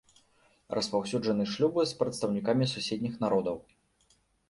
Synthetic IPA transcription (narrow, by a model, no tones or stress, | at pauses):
rʔɐspawsʲud͡ʐɐnɨʂlʲubɨspɾɐt̪st̪ɐwnʲikamʲisusʲed̪ʲnʲixn̪aɾɔd̪ɐw